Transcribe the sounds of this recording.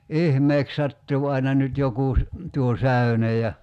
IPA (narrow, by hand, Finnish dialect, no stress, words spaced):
ihmeːk sɑtːuː ɑinɑ nyt jokuˑ tuo sæy̞nej jɑ